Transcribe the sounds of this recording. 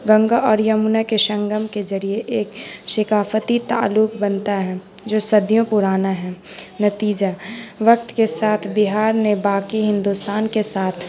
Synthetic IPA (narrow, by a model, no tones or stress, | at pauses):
ɡɐ̃ŋɡaʔɔːɾjɐmunakeʃɐ̃ŋɡəmkezɐɾieʔeːkʃɪkaːfət̪it̪a̰ːlːʊkbɐnt̪aɦɛ | d͡ʒoːsɐd̪ʱijõpuɾaːnaɦɛːnɐt̪iːd͡ʒaʋɐk̚t̪kesaːt̪ʰbɪɦaːɾnebaːkiɦɪ̃nd̪ust̪aːnkesaːt̪ʰ